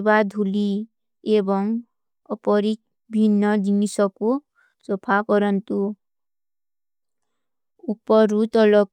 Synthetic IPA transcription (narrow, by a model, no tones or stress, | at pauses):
bad̪ʱuli | ebɔŋ | ɔpɔɾit̪̚ | bʱinːɔd͡ʒinisɔku | sopʰakɔɾɔnt̪u | upɔɾut̪ɔlɔk